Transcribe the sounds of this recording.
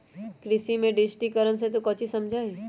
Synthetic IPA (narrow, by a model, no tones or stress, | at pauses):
kɾɪsimẽɖɪd͡ʒʈikəɾənset̪ukɔːt͡ʃisɐmd͡ʒʱaːi